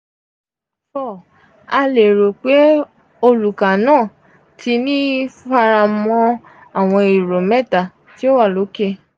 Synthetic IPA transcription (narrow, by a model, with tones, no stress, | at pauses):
fɔ˦˨ | a˧le˨ɾo˨k͡pe˨˦ | o˧lu˨ka˨nãː˦˨ | tʰi˧˦nĩ˦fa˧ɾa˧mɔ̃˧ | a˨w̃ɔ̃˧i˨ɾo˨mɛ˦˨ta˨ | ti˦o˦wa˦˨lo˨˦ke˧